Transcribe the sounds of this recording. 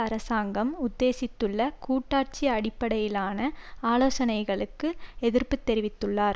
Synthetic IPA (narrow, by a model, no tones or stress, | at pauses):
ɐɾɐsaːŋɡɐmʊd̪ːeːsɪt̪ːɯɭːɐkuːʈːaːɾt͡ʃiɐɽɪpːɐɽɐjɪlaːnɐaːloːsɐnɐɪɣɐɭɯkːɯɛðɪrpɯt̪ːɛɾɪʋɪt̪ːɯɭːaːɾ